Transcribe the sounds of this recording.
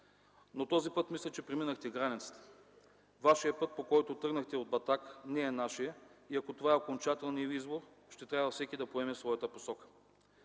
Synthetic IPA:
not̪ɔzipɤt̪mislʲət͡ʃɛpɾɛminəxt̪ɛɡɾanit̪sə̥t̪ə̥ | vaʃijəpɤt̪̚pokɔjt̪ot̪ɾɤɡnəxt̪ɛod̪̚bɐt̪aknɛːnaʃijəiɐkot̪ovaɛokont͡ʃat̪ɛlˠnijəizboɾ | ʃt̪ɛt̪ɾʲavəfsɛkʲid̪ɐpoɛmɛsvɔjət̪əposɔkə̥

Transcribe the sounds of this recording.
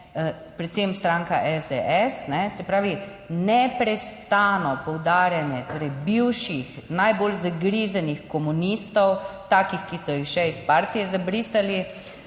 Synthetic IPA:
pɾɛt̪semst̪ɾaːŋkaʔɛzd̪eʔɛsnɛsɛpɾaːʋi | nɛpɾɛst̪aːnɔpɔwd̪aːɾjanjɛt̪oːɾɛjbiwʃixnajboːlzaɡɾizanixkɔmunist̪ɔwt̪aːkixkisɔjixʃɛispaɾt̪ijɛzabɾiːsali

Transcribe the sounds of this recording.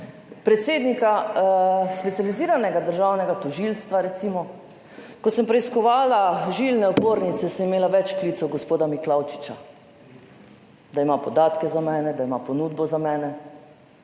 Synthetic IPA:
pɾɛt̪seːd̪nika | spɛt̪sjaliziːɾanɛɡad̪əɾʒaːwnɛɡat̪ɔʒilst̪ʋaɾɛt̪simɔ | kɔsəmpɾɛiskɔʋaːlaʒilnɛopoːɾnit̪sɛsəmimeːlaʋɛt͡ʃkliːt̪sɔɡospoːd̪amiklawt͡ʃi̥t͡ʃa | d̪aimapɔd̪aːt̪kɛzamɛːnɛd̪aimapɔnuːd̪bɔzamɛːnɛ

